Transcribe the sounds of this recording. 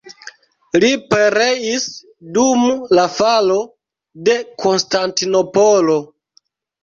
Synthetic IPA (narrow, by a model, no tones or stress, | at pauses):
lipe̞ɾe̞is | dumlafalo̞ | de̞kʰo̞nstantino̞polo̞